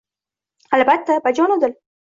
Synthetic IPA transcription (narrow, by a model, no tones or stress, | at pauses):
albat̪ːabad͡ʒɔnod̪əl